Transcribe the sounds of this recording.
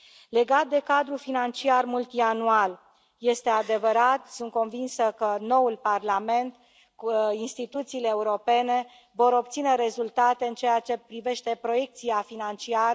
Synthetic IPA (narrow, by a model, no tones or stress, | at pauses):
le̞ɡat̪̚d̪e̞kad̪ɾufinant͡ʃiarmult̪ianual | je̞st̪e̞ad̪e̞vəɾat̪sunt̪̚ko̞nvinsəkəno̞ulparlame̞nt̪ | inst̪it̪ut̪siːle̞ːuɾo̞pe̞ne̞ | vo̞ɾo̞b̚t̪sine̞ɾe̞zult̪at̪e̞ɨnt͡ʃe̞jat͡ʃe̞pɾive̞ʃt̪e̞pɾo̞je̞k̚t̪siafinant͡ʃiaɾ